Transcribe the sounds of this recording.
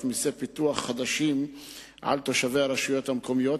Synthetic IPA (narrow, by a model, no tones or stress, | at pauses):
misepit̪uaχːad̪aʃim | ʔa̰lt̪o̞ʃave̞aɾaʃujo̞t̪hamko̞mijo̞t